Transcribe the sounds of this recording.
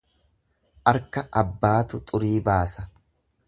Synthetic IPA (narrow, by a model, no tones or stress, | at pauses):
ʔɐɾkɐʔɐbːaːt̪ʊt̪ʼʊɾiːbaːsɐ